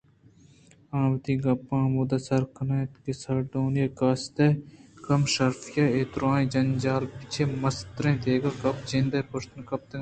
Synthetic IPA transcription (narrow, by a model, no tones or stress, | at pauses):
ãːwd̪iːɡɐpːãːmud̪ɐsɐɾkɐnɐːt̪kesɐɾɖoːnjɐkɐːst̪ɐkɐmʃɐɾfjɐeːt̪ɾãːĩd͡ʒɐnd͡ʒaːlpi̥t͡ʃʰemɐst̪ɾẽːd̪eːɡɐkɐpt͡ʃẽnd̪ɐpɐʂt̪nkɐp̚t̪e